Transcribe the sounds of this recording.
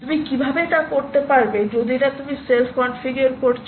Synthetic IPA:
t̪umikibʱabeʈakoɾt̪epaɾbed͡ʑod̪iɾat̪umiselfkɔɳnɖfiɡuoɾkoɾt͡ɕʰ

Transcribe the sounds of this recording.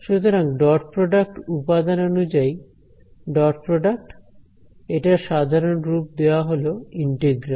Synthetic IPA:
ʃut̪oɾaŋɖɔɾpɾoɖak̚ʈupad̪anonud͡ʑai | ɖɔʈpɾoɖak̚ʈ | eʈaʃad̪ʱaɾonɾup̚d̪eoaɦoloiɳʈeɡɾa

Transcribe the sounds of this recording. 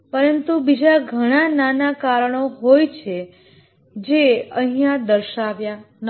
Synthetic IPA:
pəɾənt̪ubid͡ʒaɡʱəɽ̃ananakaɾɳ̃oɦojt͡ʃʰe | d͡ʒeəɦijãd̪əɾʃaʋja | n

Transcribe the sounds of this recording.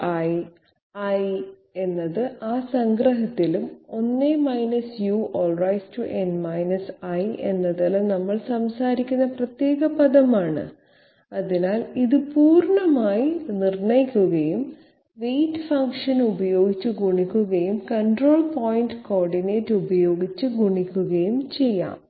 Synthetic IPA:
ɐj | ɐj | e̞nːɐðɨʔaːsɐŋɡrɐɦɐt̪ːilumo̞nːemɐjnɐsjuʔoːlrɐjstuʔenmɐjnɐsɐjḛnːɐðɐlːɐnɐmːɐɭsɐmsaːɾikʲːunːɐprɐt̪je̞ːɣɐpɐðɐmaːɳɨ̰ | ɐðinaːliðɨpuːrɳɐmaːjinirɳɐjikʲːuɣɐjum | ʋejtfɐŋkʂɐnubɐjo̞ːɡit͡ɕːuɡuɳikʲːuɣɐjumkɐɳɖro̞ːɭpoːjinɖko̞ːrɖineːtːubɐjo̞ːɡit͡ɕːɨɡuɳikʲːuɣɐjumt͡ɕe̞jːa̰ːm

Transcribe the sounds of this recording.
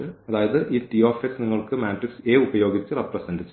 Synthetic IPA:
ɨɐðaːjɐðɨʔiːtioːfeksniŋːɐɭkɨmaːʈrikse̞ːubɐjo̞ːɡit͡ɕːɨreprɐsɐndit͡ɕːɨ

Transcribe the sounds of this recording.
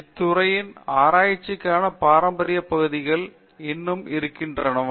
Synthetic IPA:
ɪt̪ːʊɾɐjɪnaːɾaːjɪt͡ʃːɪkːaːnɐpaːɾɐmbɐɾɪjɐpːɐɣɯðɪɣɐɭ | ɪnːɯmɪɾɯkːɪndrɐnɯm

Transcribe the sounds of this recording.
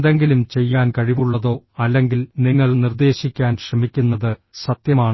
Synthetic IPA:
d̪eŋɡilumt͡ɕe̞jːaːnkɐɻiʋuɭːɐðo̞ː | ɐlːe̞ŋɡilniŋːɐɭnird̪e̞ːɕikʲːaːnɕrɐmikʲːunːɐðɨsɐt̪jɐmaːɳ

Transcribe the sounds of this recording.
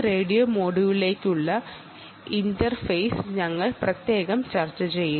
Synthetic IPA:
re̞ːɽijoːmoːɽuʋile̞ːkːuɭːɐ | indɐrfɐjsɲɐŋːɐɭprɐt̪je̞ːɣɐmt͡ɕɐrt͡ɕːɐt͡ɕe̞jːu

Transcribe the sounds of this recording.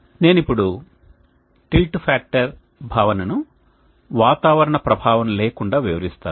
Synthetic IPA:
ne̞ːnipːuɽu | ʈilʈpʰaːk̚ʈɐɾ | bʱaːʋɐnɐnu | ʋaːt̪aːʋɐɾɐɳɐpɾɐbʱaːʋɐmleːkuɳɖaːʋiʋɐɾist̪aːnu

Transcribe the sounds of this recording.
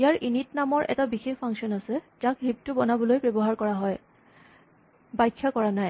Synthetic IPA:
ijaɹʔinitnamɔɹʔɛ̰tabixexpʰaŋksiɔnasɛ | d͡ʒakɦib̚tʊbɔnabɔlojbɔbɔɦaɹkɔɹaɦɔj | bajkʰːakɔɹanaj

